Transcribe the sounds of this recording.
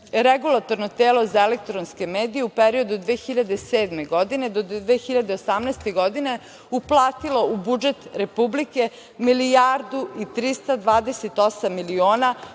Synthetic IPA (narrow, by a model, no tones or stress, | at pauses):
ɾeɡulˠat̪o̞ɾnot̪eːlo̞zaelek̚t̪ɾonske̞meːd̪ije̞upeɾio̞d̪ud̪ʋeːxiʎad̪e̞seːd̪me̞ɡod̪ine̞d̪od̪ʋexiʎad̪eosamnɛst̪e̞ɡod̪ine̞ | uplˠaːt̪ilo̞ubud͡ʒe̞t̪ɾe̞publike̞ | milijaɾd̪uit̪ɾist̪ad̪ʋaːd̪eset̪osamːilioːna